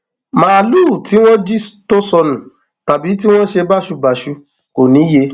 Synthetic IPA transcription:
mãː˦˨lu˦˨ti˨˦w̃ɔ̃˦d͡ʒi˦to˦sɔ˧nũ˨ | ta˨bi˨˦t̬i˦w̃ɔ̃˦ʃe˧ba˦˨ʃu˧ba˨ʃu˧ | ko˨nĩ˨˦je˧˦

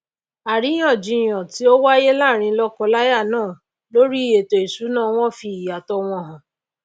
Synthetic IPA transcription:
a˨ɾi˨˦j̃ɔ̃˦˨d͡ʒi˨˧j̃ɔ̃˨ti˨˦o˦wa˦je˦la˦˨ɾ̃ĩ˧˦lɔ˦kɔ˧la˦ja˦˨nãː˦˨ | lo˦ɾi˦˨je˨to˨i˨su˨˦nãː˦˨w̃ɔ̃˦fi˧˨ja˨tɔ˧w̃ɔ̃˧˦ɦã˨

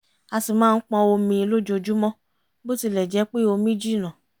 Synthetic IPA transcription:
a˧si˨mãː˦˧˦k͡pɔ̃˧o˧mĩ˧i˧lo˦d͡ʒo˧d͡ʒu˦mɔ̃˦ | bo˦ti˧lɛ˨d͡ʒɛ˨˦k͡pe˦˨o˧mĩ˦d͡ʒi˦˨nã˨

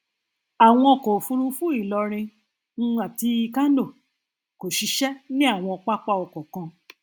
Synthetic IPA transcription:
a˨w̃ɔ̃˧ɔ˨kɔ˨fu˧ɾũ˧fũ˦i˦˨lɔ˧ɾ̃ĩ˧ | n̩˦˧˦a˨ti˧i˧ka˦no˦˨ | ko˨ʃi˧ʃɛ˦nĩ˦a˦˨w̃ɔ̃˧ɔ˧k͡pa˦k͡pa˦ɔ˨kɔ˨kã˧

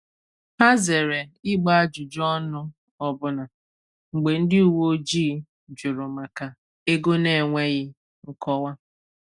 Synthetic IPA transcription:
ha˦ze˨ɾe˨ɪ˦ɡ͡ba˦a˦d͡ʒʊ˨d͡ʒɔ˦nʊ˦ | ɔ˦bʊ˦na˨ | ŋ͡m̩˨ɡ͡be˨n̩˦dɪ˦u˨wo˦d͡ʒiː˦ | d͡ʒʊ˨ɾʊ˨ma˨ka˨ | e˦ɡo˦ne˨ŋʷe˦ɣɪ˦ | ŋ̩˦kɔ˦wa˦

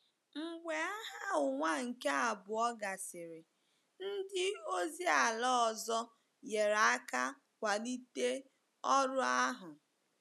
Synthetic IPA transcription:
ŋ͡m̩˨ɡ͡bʷe˨a˦ɦa˦ʊ˨ŋʷa˦ŋ̩˨ke˦a˨bʊ˨ɔ˦ɡa˨sɪ˨ɾɪ˨ | n̩˦dɪ˦o˦zi˦a˨lɔ˦ɔ˨zɔ˦ | je˨ɾa˨a˦ka˦ | kʷa˨ni˦te˦ | ɔ˦ɾʊ˦a˦ɦʊ˨

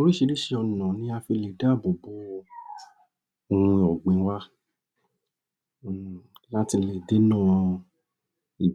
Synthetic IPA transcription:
o˧ɾi˦˨ʃi˧˦ɾi˦ʃi˦˧ɔ˧nã˨nĩ˧˦a˧fi˧le˨da˦˨bo˨bo˨˦ | o˧hũ˧˨ɔ˨ɡ͡bẽ˨˦wa˦˨ | la˦ti˧le˨de˨˦nã˦˨˦ | i˨

